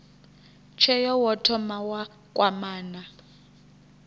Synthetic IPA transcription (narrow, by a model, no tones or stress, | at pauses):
t͡ʃʰɛjɔwɔtʰɔmawa | kʼwamaːna